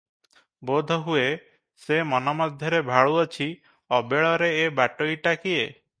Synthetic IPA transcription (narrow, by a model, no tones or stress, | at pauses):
bod̪ʱɔɦue | semɔnɔmɔd̪ʱjɔɾebʱaɭuɔt͡ʃʰi | ɔbeɭɔɾeːbaʈoiʈakie